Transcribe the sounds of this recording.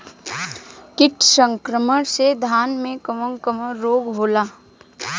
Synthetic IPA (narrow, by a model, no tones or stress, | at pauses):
kɪʈsə̃ŋkɾəməɾsed̪ʱaːnmẽkəməŋkəməːoːɡɦoːlaː